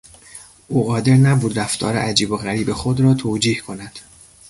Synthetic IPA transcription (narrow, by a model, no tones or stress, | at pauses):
ʔuːɣɒːd̪e̞ɾnæbuːd̪ɾæft̪ʰɒ̰ːɾḛʔæd͡ʒiːbo̞ɣæɾiːbexod̪rɒːt̪ʰoːd͡ʒiːhkʰo̞næd̪̥